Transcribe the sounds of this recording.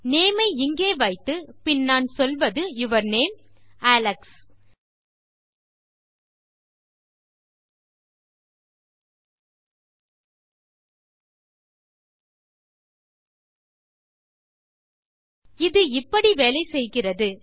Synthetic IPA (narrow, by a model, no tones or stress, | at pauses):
neːmɐɪɪŋɡeːʋɐɪt̪ːɯpɪnːaːnsɔlʋɐðɯɪʋɐɾneːm | aːlɐks | ɪðɯɪpːɐɽiʋeːlɐɪsɛjɣɪrɐðɯ